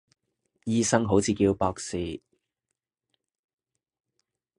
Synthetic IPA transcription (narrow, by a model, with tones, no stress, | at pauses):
jiː˥sɐ˥ŋɦo˨˥wt͡sʰiː˨˧kiː˧wpɔː˧k̚siː˨˧